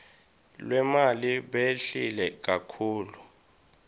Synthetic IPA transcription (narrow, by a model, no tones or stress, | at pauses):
lwɛmaliɓeɬilɛk̬akʰuːlu